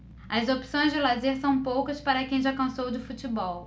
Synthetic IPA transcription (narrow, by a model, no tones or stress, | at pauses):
ɐzopi̥sõj̃zd͡ʒɪlazeɾsɐ̃w̃powkɐspaɾɐkẽj̃ʒakɐ̃sowd͡ʒɪfut͡ʃɪbɔw